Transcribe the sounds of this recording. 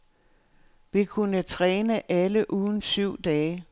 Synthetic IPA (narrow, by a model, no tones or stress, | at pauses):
ʋikʰunət͡sʰʁɛːnəʔæləʔuːðˠn̩syʊ̰d̥ɛː